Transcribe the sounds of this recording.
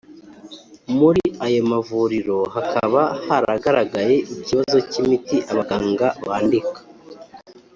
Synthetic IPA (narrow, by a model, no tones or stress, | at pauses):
muɾiajomavuɾiɾo̞ɦakʰaβahaɾaɡaɾaɡaje̞ʔiciβazo̞cimitiʔaβaɡaːŋɡaβaːndikḁ